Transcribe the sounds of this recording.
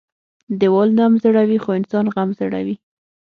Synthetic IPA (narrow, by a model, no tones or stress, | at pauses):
d̪ɪwɑlnamzəɽawixoɪnsɑnɣamzəɽa̰wi